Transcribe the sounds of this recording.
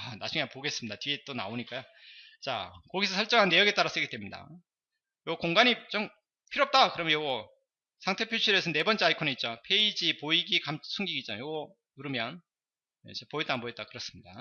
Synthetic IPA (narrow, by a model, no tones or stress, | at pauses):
nad͡ʑuŋeapoɡe̞s͈ɯmɲidatiet͈ona̰oɲik͈ajo | t͡ɕa̰kʌɡisʰʌsʰʌɭt͡ɕ͈ʌŋɦanːe̞jʌɡet͈aɾas͈ɯɡedwemɲida̰ | joɡkoŋɡaɲit͡ɕ͈om | pʰiɾoʌp̚t͈akɯɾʌmjʌnjoɡʌ | sʰaŋtʰe̞pʰjuɕʰiɾesʰʌne̞bʌnt͡ɕʰeaikʰoneit̚t͡ɕ͈opʰe̞id͡ʑipoiɡikamsʰuŋɡiɡitt͡ɕ͈anajoɡʌ | nuɾɯmjʌn | et͡ɕepoit͈anmboet̚t͈akɯɾʌs͈ɯ̥mɲida̰